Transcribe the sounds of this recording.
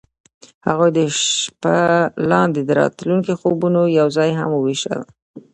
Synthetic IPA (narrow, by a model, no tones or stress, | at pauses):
haɣojd̪əʃpalɑnd̪ed̪əɾɑ̰t̪luŋkixobunojawzɑjɦa̰məwiʃə̰l